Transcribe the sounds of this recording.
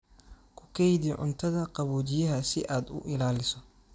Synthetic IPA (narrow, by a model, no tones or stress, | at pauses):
kʰʊkʰɛjdiʕʊ̰nt̪ʰɐðɐqɑβɔːt͡ʃɪjɐɦɐsɪʔaːd̪ʊ̰ʔɪlaːlɪsɔ